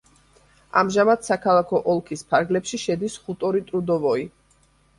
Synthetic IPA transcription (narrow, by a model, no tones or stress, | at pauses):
a̰mʒamad̪sakʰalˠakʰɔʔɔlˠkʰispʰaɾɡlɛpʃiʃɛd̪isχut̪ʼɔɾit̪ʼɾud̪ɔvɔi